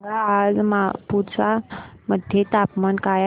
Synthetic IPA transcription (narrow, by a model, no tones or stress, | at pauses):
ɡaːd͡zmapuɾsaməd̪ʱjet̪apmankaj